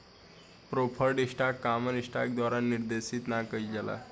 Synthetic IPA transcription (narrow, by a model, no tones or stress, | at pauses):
pɾopʰəɾɖisʈakːamənisʈakd̪ʋaɾanːiɾd̪esiːt̪nakəjd͡ʑala̰